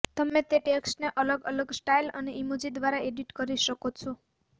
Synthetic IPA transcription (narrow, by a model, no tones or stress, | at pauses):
t̪əmet̪eʈeksʈneʔələɡələɡsʈailə̰neʔimud͡ʒid̪ʋaɾaʔeɖiʈkəɾiʃəkot͡ʃʰɔ